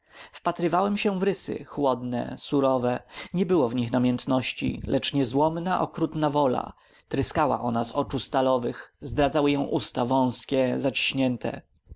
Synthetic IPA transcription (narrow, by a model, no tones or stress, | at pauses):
fpat̪ɾɘvawɛmɕɛvɾɘsɘ̰xwɔd̪nɛ̰suɾɔvɛɲɛbɘwɔvɲixnamʲjɛnt̪nɔɕt͡ɕḭlɛt͡ʂɲɛzwɔmnaʔɔkɾut̪navɔla̰ | t̪ɾɘskawa̰ʔɔnazɔt͡ʂust̪alɔvɘxzd̪ɾad̪zawɘjɔ̃w̃ʔust̪avɔ̃w̃skʲɛzat͡ɕi̥ɕɲɛnt̪ʰɛ̰